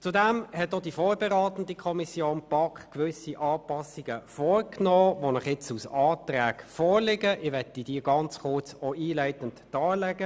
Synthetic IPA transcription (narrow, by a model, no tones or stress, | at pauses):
t͡sudæmhɛt̚ːod̥ifɔːɾbɛʁɑːt̪ən̩dikʰɔmisjoːnpɑkχkʋʏsiʔɑːpɑsiɡ̥əfɔːrknɔːʋonəχɪt͡susɑːtræːkfɔːɾlɪɡəʔɪʋɛtːid̥iːɡ̥ɑnt͡sχʊrt͡soiːlæɪtəntːɑːlɛɡ̥ə